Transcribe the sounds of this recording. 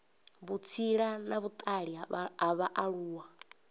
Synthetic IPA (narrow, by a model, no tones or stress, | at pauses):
βut͡sʰiɺanaβut̪ʼaɺiaβaʔaɺuːwa